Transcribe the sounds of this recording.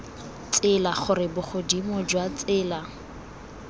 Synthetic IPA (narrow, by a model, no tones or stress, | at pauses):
t͡sʼɪlaχʊrɪbʊχʊdimʊd͡ʒwat͡sʼɪːla